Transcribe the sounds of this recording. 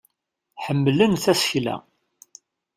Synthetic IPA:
ħəmːlənθæsçlæ̰

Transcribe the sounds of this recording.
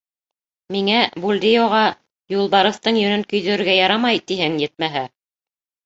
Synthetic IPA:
miŋæbulʲd̪ijoʁɑ | julˠbɑɾɤ̆θt̪ɤɴjɵ̆nɵŋkɵ̆jðɵ̆ɾɘɾɡæjɑɾɑmɑjt̪iɦɘŋjɘt̪̚mæɦæ

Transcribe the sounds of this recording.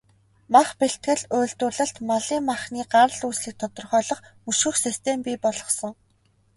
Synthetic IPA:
maχpeɬt̪̚ɡɘ̆ɮʊːɮt̪ʊːɮə̆ɬt̪maɮiːŋmːaχniːɢaɾəɮuːsɮɘ̆k̚t̪ʰɔt̪ɞ̆rχœːɮɞ̆χmɵʃɵ̆xsist̪ʰempʲiːpɔɮɞ̆χsɞ̆ŋ

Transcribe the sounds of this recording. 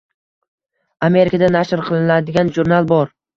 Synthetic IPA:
ame̞ɾɪkʰad̪anaʃɾqʰɨlˠɪnad̪ɪɡʲanʒuɾnalˠbɒɾ

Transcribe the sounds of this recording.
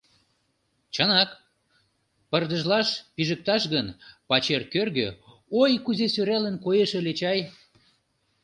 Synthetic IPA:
t͡ɕənɑk | pərd̪ə̆ʒlɑʃpiʒə̆k̚t̪ɑʃɣənpɑt͡ɕerkørɣø | ojkuzesøɾelənkojeʃelet͡ɕɑj

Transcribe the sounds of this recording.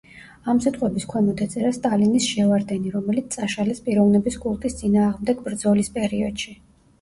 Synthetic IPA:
amsit̪ʼqʼwɛbiskʰwɛmɔt̪ʰɛt̪sʼɛɾast̪ʼalinisʃɛvaɾd̪ɛniɾɔmɛlit̪ssʼaʃalɛspʼiɾɔvnɛbisɡʼulˠt̪ʼist̪sʼinaːʁmd̪ɛɡbɾd̪zɔlispʼɛɾiɔd̪̥ʃi

